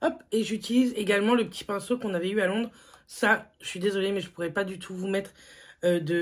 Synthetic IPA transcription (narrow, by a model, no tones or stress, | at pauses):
ɔpeʒyt̪ilizeɡalmɑ̃ləpət̪ʰi̥pɛ̃sokɔ̃navɛyalɔ̃d̪ʁ | saʒəsɥid̪ezɔlemɛʒəpuʁɛpad̪yt̪ʰuvumɛt̪χød̪ə